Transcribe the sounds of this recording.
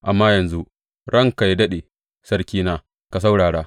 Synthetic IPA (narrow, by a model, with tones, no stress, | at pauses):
ʔa˨mːaː˦jɐ˨nzu˦ | ɽɐ˦ŋka˨jdɐ˦ɗeː˨ | sɐ˦ɽkʲiː˦naː˦ | ka˨s̬a˦wɽaː˨ɽaː˦